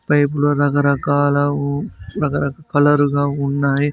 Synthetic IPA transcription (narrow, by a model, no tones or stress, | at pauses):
pɐjɪpulɐɾɐɣɐɾɐkaːlɐ | ɾɐɣɐɾɐkkɐlɐɾɯɣaːʊnːaːji